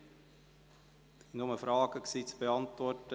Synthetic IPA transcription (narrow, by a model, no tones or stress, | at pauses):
nʊməfɾɑːɡ̥əksiːt͡sb̥eɑntvɔrtə